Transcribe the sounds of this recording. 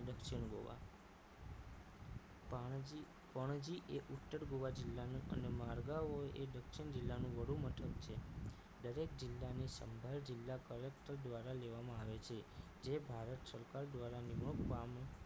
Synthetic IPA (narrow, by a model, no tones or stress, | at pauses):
d̪əkʃiɳɡo̰ʋa̰ | pəɳ̃d͡ʒiʔeʔuʈ̪ːəɾɡoʋad͡ʒɪlːanuʔə̰nemaɾɡaoed̪əkʃɪɳd͡ʒɪlːanũʋəɽ̤ũmət̪ʰəkt͡ʃʰe | d̪əɾek̚d͡ʒɪlːanisə̰mbʱald͡ʒɪlːakəlek̚ʈəɾd̪ʋaɾaleʋamãaʋet͡ʃʰe | d͡ʒebʱaɾət̪səɾkaɾd̪ʋaɾanimɳopam